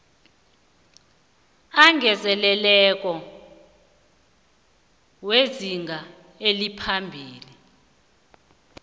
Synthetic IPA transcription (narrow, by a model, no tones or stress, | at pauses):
aŋʱɛzɛlɛlɛk̬ʼɔ | weziŋʱa | elipʰambʱiːli